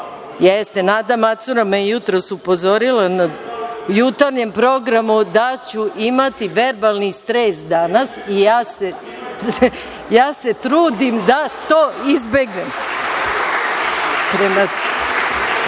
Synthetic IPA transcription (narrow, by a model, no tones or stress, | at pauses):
jest̪e̞naːd̪amat̪suɾamejut̪ɾosupo̞zo̞ɾilanajut̪aɾɲe̞mpɾo̞ɡɾamud̪at͡ɕuʔimat̪iʋe̞ɾbalˠnist̪ɾesd̪anasijaːse | jaːse̞t̪ɾuːd̪imd̪at̪oːizbe̞ɡne̞m | pɾema